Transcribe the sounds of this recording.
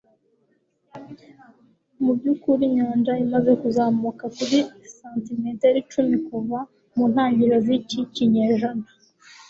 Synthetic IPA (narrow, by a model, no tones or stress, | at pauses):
mubɟukuɾiɲaːnd͡ʒaimaze̞kuzaːmukakuɾisaːntimeːteɾit͡ʃumikuva | muːnhaːɲɟiɾaziciciɲeːʒana